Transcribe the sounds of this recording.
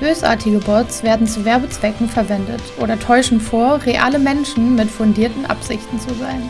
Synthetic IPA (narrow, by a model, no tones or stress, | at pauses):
b̥øːsʔa̰ːɐtʰɪɡəbɔsv̥eːɐdn̩t͡suvɛɐbət͡sv̥ɛkŋ̩fɛɐvɛndətʔʔoːɾɐtʰɔʏʃn̩foːɐʁeʔa̰ːləmɛnʃn̩mɪtfʊndiːɐtn̩ʔa̰pz̥ɪçtn̩t͡suzaɪn